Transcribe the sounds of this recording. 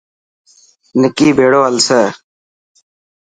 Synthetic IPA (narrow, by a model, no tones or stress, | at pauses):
nɪkiːbʱeːɽoːəlseː